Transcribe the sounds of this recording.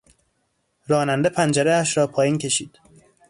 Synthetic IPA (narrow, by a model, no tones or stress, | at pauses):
ɾɒːnænd̪epʰænd͡ʒæɾeæʃɾɒːpʰɒːjiːncʰe̞ʃiːd̪̥